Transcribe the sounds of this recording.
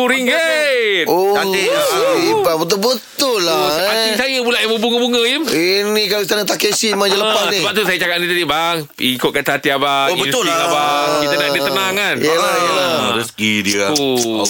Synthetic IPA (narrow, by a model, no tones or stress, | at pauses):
uɾiŋɡet̪oadeibabət̪̬ʊlbət̪ʊlːaaisajəbulaʔjaŋməbuŋəbuŋə̃iminĩkaist̪anət̪akesimad͡ʒəlpaniəbap̚t̪usajət͡ʃakaʔ̚nit̪adibaŋ | ikʊt̪̚kat̪aat̪iabaoibənt̪ʊlabait̪ənãdət̪ənaŋanjlajjəlaɾəsəɡidiəu